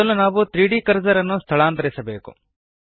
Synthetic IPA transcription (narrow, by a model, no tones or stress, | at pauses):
ɐlːunaːʋut̪ɾiːɖiːkɐɾd͡ʒɐɾɐnːust̪ʰɐɭaːnt̪ɐɾisɐbe̞ːkṵ